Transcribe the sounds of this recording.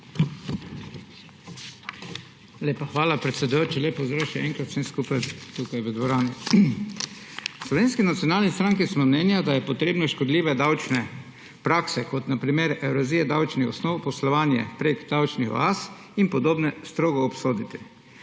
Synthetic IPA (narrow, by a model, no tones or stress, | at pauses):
leːpaxʋaːlapɾɛt̪sɛd̪ujoːt͡ʃileːpozɾaʃɛʔɛŋkɾat̪senskupajt̪ukajʋəd̪ʋɔɾaːni | slɔʋeːnskinat̪sijɔnaːlnist̪ɾaŋkismɔmnɛnjad̪ajɛpɔt̪ɾeːbnɔʃkɔd̪liːʋɛd̪awt͡ʃnɛ | pɾaːksɛkɔt̪napɾimeɾɛwɾɔziɛd̪awt͡ʃnixɔsnɔwpɔslɔʋaːnjɛ̰pɾeɡd̪awt͡ʃnixɔ̰as | inpɔd̪oːbnɛst̪ɾoːɡɔːpsoːd̪it̪i̥